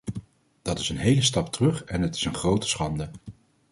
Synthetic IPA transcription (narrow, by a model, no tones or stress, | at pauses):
d̥ɑtɪsənɦejləstɑptərɵχɛnɦətɪ̥sənχrowtə̥sχɑndə